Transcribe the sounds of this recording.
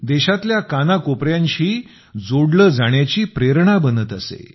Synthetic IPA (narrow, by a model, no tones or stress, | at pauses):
d̪eɕat̪ljakanakopɾjaɲt͡ɕiː | d͡zoɽləːd͡zaɽ̃jat͡ɕiːpɾeɾɳabənət̪əsḛ